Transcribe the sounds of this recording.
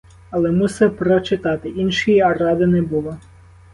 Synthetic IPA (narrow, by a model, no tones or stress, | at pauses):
ɐlˠɛmusɛpɾɔt͡ʃɪt̪ɑt̪ɪʔinʃijiɐrɑd̪ɪnɛbulˠɐ